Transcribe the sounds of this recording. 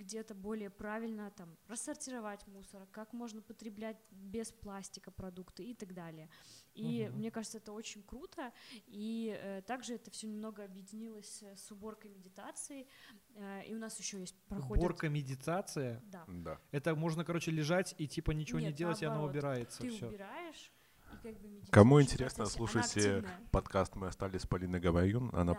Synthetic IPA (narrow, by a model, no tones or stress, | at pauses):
ɡdʲe̞t̪əbo̞lʲɪjəpɾavʲɪlʲnət̪amrəsːərtʲɪɾɐvatʲmusərɨkakmo̞ʐnəpət̪ɾʲɪblʲætʲbʲɪsplˠasʲtʲɪkəpɾɐd̪ukt̪ɨɪt̪aɡd̪alʲɪjəimnʲe̞kaʐɨt̪səɛt̪əo̞t͡ɕɪnʲkɾut̪ʰəiət̪aɡʐɨɛt̪əfsʲɵnʲɪmno̞ɡəɐbjɪdʲɪnʲilˠəsʲsʊbo̞rkəjmʲɪdʲɪt̪at̪sɨɪ | ḭʊnasjɪɕːojesʲt̚ʲpɾɐxodboɪ̞rkəmʲɪdʲɪt̪at̪sɨjəd̪ad̪aɛt̪əmo̞ʐnəkɐɾo̞t͡ɕɪlʲɪʐatʲitʲipənʲɪt͡ɕɪvonʲɪdʲe̞lˠətʲɪɐnaʊbʲɪɾajɪt̪səɨfʊsʲoɪɾajɪʂ | ikaɡ̚bɨmʲɪkɐmuɪnʲtʲɪɾʲesnəslˠuʂəjtʲɪpɐt̪kast̪mɨɐst̪alʲɪsʲpɐlʲinəɡɐmɐjunɐ̰na